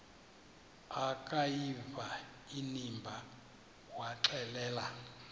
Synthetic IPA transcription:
akʼajiva | inimbʱa | waǁɛlɛːla

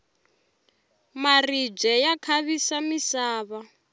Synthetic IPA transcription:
marib͡ʐɛjakʰaβisamisaːβa

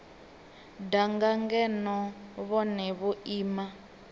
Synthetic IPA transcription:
daŋɡaŋɡɛnɔβɔnɛβuʔiːma

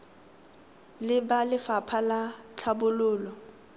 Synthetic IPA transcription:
lɪbalɪfapʰalat͡ɬʰabʊlʊːlɔ

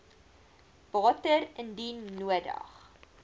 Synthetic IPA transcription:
b̥ɑːtərəndinːuədɐ̰χ

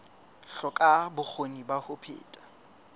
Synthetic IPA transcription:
ɬɔkʼabʊk͡xʰonibahʊpʰḛːtʼḁ

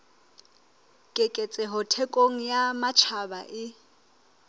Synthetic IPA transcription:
kʼekʼet͡sʼɛɦʊtʰɛkʼoŋ̩jamat͡ʃʰaba̰ʔɪ

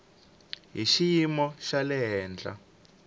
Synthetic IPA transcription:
ɦiʃijimɔʃalɛɦɛːnd͡ɮa̰

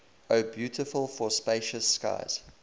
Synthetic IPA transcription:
əʊbjʉːˑtɪfəlˠfɔspeɪʃəska̰ɪz̥

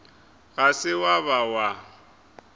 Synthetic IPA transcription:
ɣasɪwaβawa

